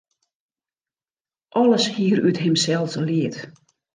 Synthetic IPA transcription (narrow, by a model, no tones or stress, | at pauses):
ʔɔləshiərytɦɪmsɛlˠsəliət